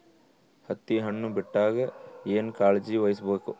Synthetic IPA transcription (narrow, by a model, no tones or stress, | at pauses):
hɐt̪ːiɦɐɳːubiʈːaːɡɐeːnkaːɭd͡ʒiʋɐjsbeːku